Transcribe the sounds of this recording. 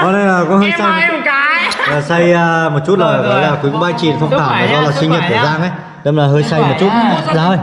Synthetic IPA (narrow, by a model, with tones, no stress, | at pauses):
kɔ˨˧˦ɗə˧jlaː˨˩kɔ˨˦həː˧jsa˧jm˨˩tt͡ɕaː˨˩sa˧jːmo˨˩t̚t͡ɕu˦˥t̚laː˨˩ɣɔ̰ː˨˩jlaː˨˩kwu˨˦kʊ˧˦ɓaː˧nt͡ɕḭ˨˩ənt̪ʰə˧wŋ͡mt̪ʰaː˧˩wvaː˨˩zɔ˧laː˨˩si˧ŋɲə˨˩t̚t̪ʰəː˧˨˩zaː˧nʔə˨˦j | ɗə˧ŋ͡mlaː˨˩ɦəː˧jsa˧jm˨˩t̚t͡ɕu˦˥t̚zaː˨˦əː˧j